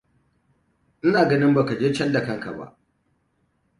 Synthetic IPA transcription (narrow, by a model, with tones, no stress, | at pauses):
ʔɪ˦naː˨ɡɐ˦nɪ˦mba˨ka˨d͡ʒeː˦t͡ʃɐ˦lda˨kɐ˦ŋka̰˨ba̰˦ʔ